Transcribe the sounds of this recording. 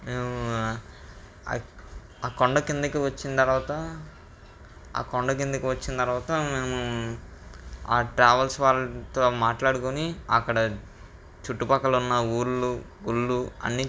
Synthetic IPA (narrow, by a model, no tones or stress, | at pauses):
meːmu | aːkoɳɖɐkind̪ɐkiʋɐt͡ʃːint̪ɐɾʋaːt̪ɐ | a̰ːkoɳɖɐk̬ind̪ɐkiʋɐt͡ʃːinit̪ɐɾʋaːt̪ɐmeːmu | a̰ːʈɾaːʋɐlsʋaːlːɐt̪o̞ːmaːʈlaːɽukuniɐ̰kːɐɽɐ | t͡ʃuʈːupɐkɐlunːɐuːɾlu | ɡuɭːuɐ̰nːi